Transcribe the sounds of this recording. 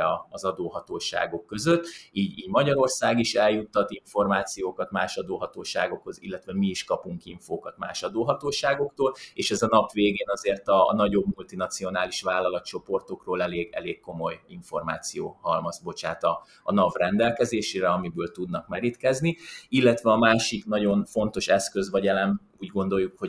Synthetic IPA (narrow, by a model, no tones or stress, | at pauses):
ɒːzɒd̪oːɦɒt̪oːʃa̰ːɡo̞kːø̞zøt̪ːiːɟiːɟmɒɟɒɾo̞rsaːɡiʃɛljut̪ːɒt̪iɱfo̞rmaːt̪sijoːkɒt̪maːʃɒd̪oːɦɒt̪oːʃa̰ːɡo̞kho̞zḭlːɛt̪ʋɛmiːʃkɒpuŋkiɱfoːkɒt̪ma̰ːʃɒd̪oːɦɒt̪oːʃaːɡo̞kt̪oːleːʃɛzɒnɒpʋeːɡeːnɒzeːrt̪ɒnɒɟo̞bmult̪inɒt̪sijo̞naːliʃʋaːlːɒlɒt̪t͡ʃo̞po̞rt̪o̞kroːlɛleːɡɛ̰leːɡkːo̞mo̞jiɱfo̞rmaːt̪sijoːhɒlmɒzbo̞t͡ʃaːt̪ɒ̰ː | nɒvrɛnd̪ɛlkɛzeːʃeːɾɛɒmibøːlt̪ud̪nɒkmɛɾit̪kɛzniilːɛt̪ʋɛɒmaːʃiknɒɟo̞nfo̞nt̪o̞ʃɛskø̞zʋɒɟɛlɛn | uːɟɡo̞nd̪o̞jːukho̞